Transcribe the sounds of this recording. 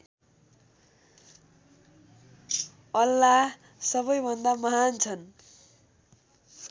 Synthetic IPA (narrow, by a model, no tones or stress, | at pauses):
ʌlːa | sʌβʌjbʱʌnd̪amʌɦant͡sʰʌn